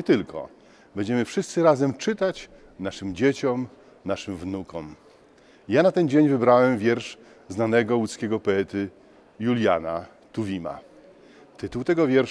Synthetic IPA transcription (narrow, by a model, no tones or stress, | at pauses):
ɲɛt̪ɘlkʰɔ̰ | bɛɲd͡ʑɛmɘfʂɘst̪sɘɾazɛmt͡ʂɘt̪at͡ɕ | naʂɘmd͡ʑet͡ɕɔm | naʂɘmvnukɔm | janat̪ɛnd͡ʑeɲvɘbɾawɛmvʲjɛɾʂ | znanɛɡɔlut̪skʲeɡɔpɔɛt̪ɘ | julʲja̰na | t̪uvʲima̰ | t̪ɘt̪uwt̪ɛɡɔvʲjɛɾʂ